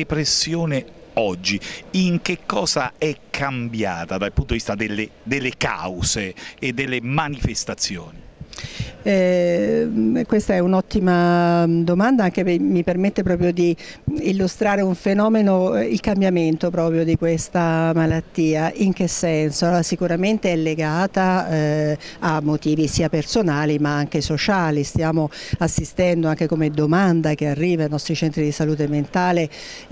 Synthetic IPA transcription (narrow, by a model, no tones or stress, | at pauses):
epɾesːjoːne | ɔd͡ʒːiiŋk̟ekːɔːza̰ɛkʰːambja̰ːt̪ad̪alpunt̪od̪ivist̪ad̪elːed̪elːeka̰wzeːd̪ːelːemanifest̪at̪sːjo̰ːni | ɛ | kwest̪aɛunɔt̪ːimad̪omand̪aaŋk̟emipermet̪ːepɾɔːp̬ɾjod̪iːlːust̪ɾaːɾeuɱfenɔːmenoilkambjament̪opɾɔːpɾjod̪ikwest̪amalat̪ːiːaʔiŋk̟esːɛnsosikuɾament̪eɛlːeɡaːt̪a | mːot̪iːvisiːapersonaːlimaaŋk̟esot͡ʃaːlist̪jaːmoasːist̪ɛnd̪oaŋk̟ekomed̪omand̪ak̟earːiːvajnɔst̪ɾit͡ʃɛnt̪ɾid̪isaluːt̪ement̪aːle